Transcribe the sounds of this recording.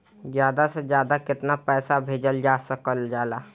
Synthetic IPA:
d͡ʒjaːd̪asəd͡ʒjaːd̪akɪt̪napɛːsabʱeːd͡ʒəld͡ʒasəkəld͡ʒaːla

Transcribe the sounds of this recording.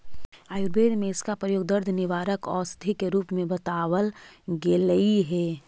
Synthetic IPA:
aːjʊɾbeːd̪mẽɪskapɾəjoːɡ̚d̪əɾd̪ʱnɪʋaːɾəkɔ̰ːst̪ʰikeɾuːpmẽbɐt̪aːwəlɡeːləiɦɛː

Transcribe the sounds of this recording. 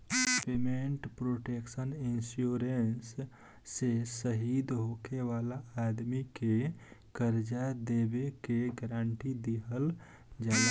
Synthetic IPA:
pemeɳʈpɾoːʈeksəninsjuːɾensː | esəɦid̪ɦokeʋaːlaad̪mikekəɾd͡ʒad̪ebekeɡəɾaɳʈid̪iɦəl | d͡ʒa

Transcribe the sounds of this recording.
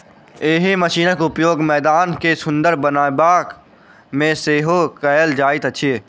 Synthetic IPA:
eːɦeməʃiːnəkʊpjoːɡmɛːd̪aːnkesʊ̃nd̪əɾbənaːbaːk | mẽseːɦokəjəld͡ʒaːɪt̪ɐʃʰieː

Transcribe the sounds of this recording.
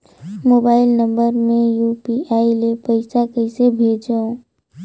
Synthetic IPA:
moːbaːɪlnə̃mbəɾmẽjupiʔaːilepəɪsakəɪsebʱeːd͡ʒaõ

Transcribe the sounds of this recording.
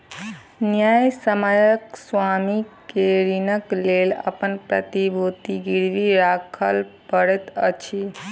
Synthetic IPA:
njajsəməjəkswamikeɾinəklelə̰pənpɾə̰t̪ibot̪iɡiɾʋiɾakʰəlpəɽɛt̪ət͡ʃʰi

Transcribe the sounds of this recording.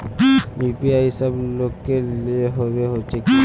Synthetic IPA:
jipiaisəblokːeleɦobeɦot͡ʃʰeki

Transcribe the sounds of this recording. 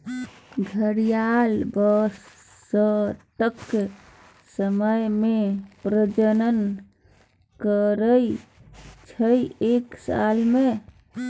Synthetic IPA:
ɡʱəɾijalbəsː | əʈ̪əkːe | səməjmepɾəd͡ʒənən | kəɾəj | t͡ʃʰəjeksa̰lme

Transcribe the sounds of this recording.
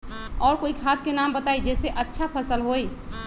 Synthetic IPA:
ɔːɾkoːikʰat̪̚ʰkenambət̪aid͡ʒɛːseʔətːʃʰapʰəsəlɦoj

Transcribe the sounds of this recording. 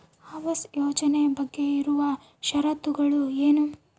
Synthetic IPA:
ɐʋɐsjoːd͡ʒɐnejɐbɐɡːe̞iɾuʋɐ | ʃɐɾɐt̪uɡɐɭueːnu

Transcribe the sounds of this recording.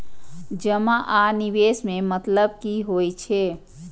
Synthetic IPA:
d͡ʒəmaʔaniʋesmemət̪ləb̚kiɦojt͡ʃʰe

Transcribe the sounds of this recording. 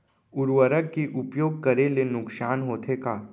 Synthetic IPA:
ʊɾwəɾəkkiʔʊpjoːɡ̚kɐɾelenʊksaːnɦoːt̪ʰekaː

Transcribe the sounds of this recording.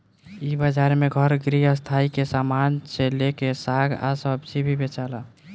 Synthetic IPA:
ibəd͡ʒaɾmeɡʱəɾɡɾiɦəst̪ʰaikesamansʰelekesaɡa̰səbsibʱibet͡ʃala

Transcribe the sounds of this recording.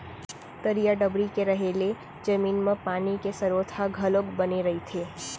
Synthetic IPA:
t̪əɾijaɖəbɾikeɾəɦele | d͡ʒəminmãpanikesəɾot̪ʰaɡʱəlokbəniɾəɦit̪ʰe

